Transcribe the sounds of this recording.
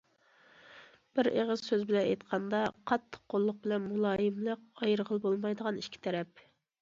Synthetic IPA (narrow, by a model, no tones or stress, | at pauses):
b̥ɪɾeʁəz̥søzbɪlɛnɛjt̪qʰɑnd̪ɑqʰɑt̪ʰːə̥qqːolˠːʊq̚bɪlɛnmulˠɑːjɪmlˠəq̚ɑjɾəʁəlˠbolˠmɑjd̪əʁɑniʃkʲʰi̥t̪ʰɛɾɛp̚